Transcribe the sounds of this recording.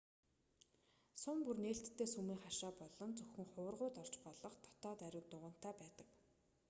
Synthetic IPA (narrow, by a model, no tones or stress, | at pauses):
sʊmpurneːɬt̪ʰːeːsumiːŋχaʃaːpɔɮɞ̆nt͡sɵxɘ̆ŋχʊ̆ːrʁʊːt̪ɔr̥t͡ɕpɔɮɞ̆χt̪ʰɔ̥t̪ɔːt̪æɾʲɪ̆wt̪ʊʁə̆n̥t̪ʰæːpæːt̪ə̥̆k